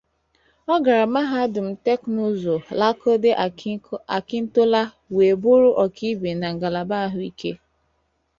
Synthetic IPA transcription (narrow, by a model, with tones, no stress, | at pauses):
ɔ˦ɡa˨ɾa˨ma˦ɦa˦dʊ˨m̩˨te˦knu˦zo˨la˦ko˦de˦ | a˨kɪ˦n̩˦to˦la˦ | we˨bu˦ɾʊ˦ʔɔ˨ki˦be˨na˨ŋ̩˨ɡa˨la˨ba˦ɦʊ˦i˦kʰe˦